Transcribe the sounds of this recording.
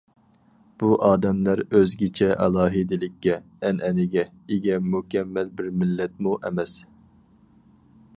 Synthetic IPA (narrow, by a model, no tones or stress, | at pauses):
b̥uʔɑːd̪ɛmlæɾøzɡʲɪt͡ʃʰɛʔɛlˠɑːɦɪd̪ɪlɪkʲːɛː | nʔɛnɪɡʲɛ | ɪɡʲɛmukʲɛmːɛlbɪɾmɪlːɛt̪̚muʔɛmɛs